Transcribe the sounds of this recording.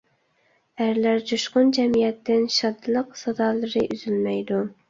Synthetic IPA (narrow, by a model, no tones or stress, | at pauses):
æɾlæɾd͡ʒuʃqʊnd͡ʒɛmijɛt̪ːɪnʃɑd̪ɨlˠəqsɑd̪ɑːlˠɨɾɨʔyz̥ylmɛjd̪u